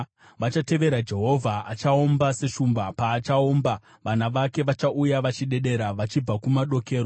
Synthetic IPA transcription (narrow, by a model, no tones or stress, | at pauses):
ʋat͡ʃate̞ʋe̞ɾad͡ʒe̞ɦo̞vʱaat͡ʃaombase̞ʃumbapaːt͡ʃaoːmba | ʋanaʋake̞ʋat͡ʃaʔujaʋat͡ʃiɗe̞ɗe̞ɾaʋat͡ʃib͡vakumaɗo̞ke̞ːɾo